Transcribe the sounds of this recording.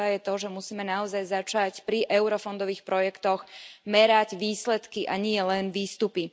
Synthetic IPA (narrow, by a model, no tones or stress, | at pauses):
ajɛt̪ɔʒɛmusiːmɛnaɔzajzat͡ʃacpɾiʔɛʊɾɔfɔnd̪ɔʋiːxpɾɔjɛkt̪ɔɣmɛɾaɟʋiːslɛt̪kiʔaɲɪɛlɛnʋiːst̪upi